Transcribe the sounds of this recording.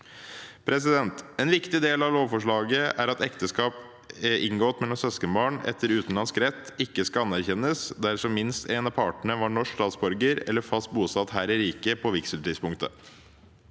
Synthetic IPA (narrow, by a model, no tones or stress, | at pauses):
pʰɾɛs̬ɪd̪ɛnt̪ɛːnʋɪkt̪ɪd̪eːlɑʋloːʋfɔʂɭɑːɡəʔæɾɑt̪ɛkt̪əskɑːp | ɛʔɪŋɡɔːt̪mɛlɔmsɛskəbɑːɳɛ̰t̪ːəɾʉːt̪n̩lɑnskɾɛt̪ːɪkːəskɑɑnæɾçɛnːəsd̪æɾʂɔmːɪnst̪eːnɑpʰɑːʈɳəʋɑɳɔʂkst̪ɑːt̪sbɔɾɡəɾɛ̰lːəɾfɑst̪̚buːsɑt̪hæːɾɪɾiːkəpʰɔʋɪksəlt̪iːdspʊŋkt̪ə̰